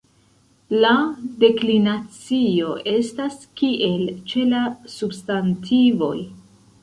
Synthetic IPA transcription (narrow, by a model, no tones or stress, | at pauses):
lade̞klinat͡sio̞ʔe̞staskiʔe̞lt͡ʃe̞lasubstantʰivo̞̰j